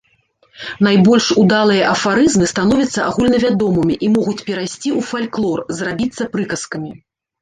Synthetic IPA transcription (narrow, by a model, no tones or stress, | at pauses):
najbɔlʲʂud̪alˠɨjɐʔɐfaɾɨzmɨst̪anɔvʲɐt̪sːɐʔaɣulʲnɐvʲad̪ɔmɨmʲiʔimɔɣut͡sʲpʲɛɾajsʲt͡sʲiufalʲklˠɔrzrabʲit̪sːɐpɾɨkɐskɐmʲi